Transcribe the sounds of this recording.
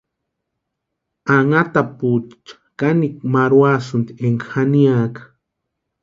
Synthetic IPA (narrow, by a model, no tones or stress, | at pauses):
aŋat̪aput͡ʃt͡ʃḁkanikmaɾwasunt̪ieŋkxaniakḁ